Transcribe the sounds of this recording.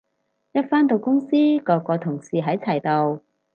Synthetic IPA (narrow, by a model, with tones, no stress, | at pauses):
jɐ˥t̚faː˥nt̪o˨˧wkʊ˥ŋsiː˥kɔː˧kːɔː˧t̪ʰʊ˨˩ŋsiː˨˧ɦɐ˨˥jt͡sʰɐ˨˩jt̪o˨w